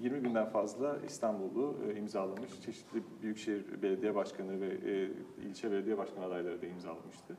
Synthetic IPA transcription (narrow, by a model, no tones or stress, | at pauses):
jiɾmibind̪ænfazlˠaḭst̪ʰanbulˠuimzaːlˠamɯʃt͡ʃʰe̞ʃi̥t̪ʰlʲibyjycʃejiɾbelʲe̞d̪ijɛbaʃkʰanɯvɛ | ḭlʲt͡ʃʰɛbelʲed̪ijɛbaʃkʰanɯad̪ajlˠaɾɯd̪aimza̰ːlˠamɯʃt̪ʰɯ